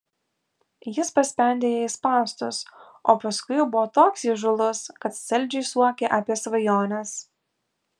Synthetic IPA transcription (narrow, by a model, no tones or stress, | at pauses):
jɪspɐsʲpʲɛnʲd̪ʲeːjɛɪspɑːst̪ʊs | oːpɐskʊjbʊʋoːt̪oːksiʒʊlˠʊskɐt̪sʲɛlʲˑd͡ʒʲɛɪsuɔkʲeːʔɐːpʲiɛsʋɐjoːnʲɛs